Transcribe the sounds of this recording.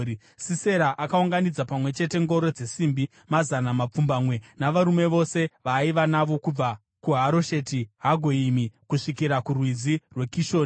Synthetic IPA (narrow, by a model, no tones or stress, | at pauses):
sise̞ɾaʔakauŋɡanid͡zapamwe̞t͡ʃe̞te̞ŋɡo̞ɾo̞d͡ze̞siːmbi | mazanamap͡fumbamwe̞naʋaɾume̞ʋo̞se̞ʋaiʋanaʋo̞kub͡va | kuɦaɾo̞ʃe̞tiɦaɡʱo̞imikuʂikiɾakurwid͡zirwe̞kiʃo̞ːni